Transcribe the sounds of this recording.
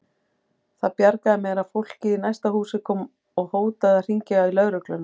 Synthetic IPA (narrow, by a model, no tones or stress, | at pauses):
θaðpjaɾkaðɪmɛɾaðfowl̥cɪinajst̪aɦuːsɪkʰɔm | ɔɣhoːwt̪aðar̥iɲcɪɣailœðɾœklʏna